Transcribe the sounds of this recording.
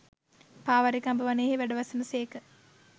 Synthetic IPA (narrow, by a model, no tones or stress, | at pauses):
paːʋaɾikambəʋaneːɦeʋæɖəʋɐsənəseːkə